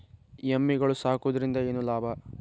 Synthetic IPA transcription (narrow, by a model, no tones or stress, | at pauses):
jemːiɡɐɭusaːkud̪ɐɾind̪ɐeːnːulaːbʱɐ